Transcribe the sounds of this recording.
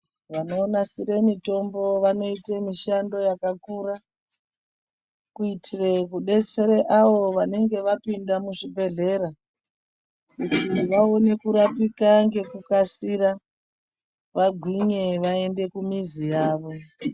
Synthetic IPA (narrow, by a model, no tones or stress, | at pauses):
ʋano̞ːnasiɾe̞mito̞mbo̞ʋano̞itemiʃando̞jakakuɾa | kuitʰire̞kuɗe̞t͡se̞ɾeʔaʋo̞ʋane̞ŋɡe̞ʋapindamuʐibʱe̞ɮe̞ɾa | kutiʋao̞ne̞kuɾapikaŋɡe̞kukasiɾa | ʋaɡʱwiɲe̞ʋae̞nde̞kumizijaːʋo̞